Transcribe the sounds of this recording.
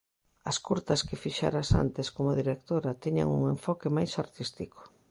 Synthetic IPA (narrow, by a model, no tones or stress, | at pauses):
ɐskuɾt̪ɐskɪfiʃa̰ɾasa̰nt̪eskomʊðiɾek̚t̪oɾɐt̪iɲa̰ŋṵŋeɱfɔkemajsaɾt̪ist̪ikʰo̥